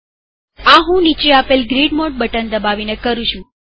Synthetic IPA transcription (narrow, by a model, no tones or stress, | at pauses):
aɦũnit͡ʃeapelɡɾiɖmoʈ̚bəʈənd̪əbaʋinekəɾũt͡ʃʰũ